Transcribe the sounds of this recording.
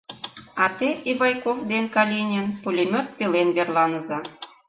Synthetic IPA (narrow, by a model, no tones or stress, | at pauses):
ɑt̪eʔiβɑjkofd̪enkɑlʲinʲenpulʲemʲot̪̚pelenβerlɑnə̆zɑ